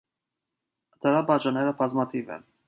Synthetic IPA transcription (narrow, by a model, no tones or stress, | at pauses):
d̪̥əɾɑbɑd͡ʒɑnɛɾəbʰɑzmɑt̪ʰivɛ̰n